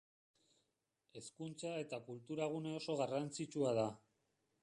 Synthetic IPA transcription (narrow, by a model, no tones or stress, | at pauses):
e̞skunt͡sae̞t̪akult̪uɾaɣ̞une̞o̞so̞ɣarant͡sit͡ʃuað̞a